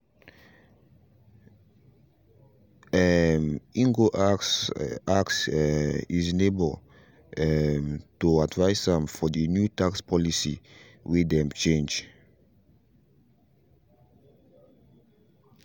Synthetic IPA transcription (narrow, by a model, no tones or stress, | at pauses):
mĩŋɡoʔ | aks | izinebl | mtuadvaɪsãmfɔdinjutakspʰɔlisḭ | widɛ̃mt͡ʃẽnd͡ʒ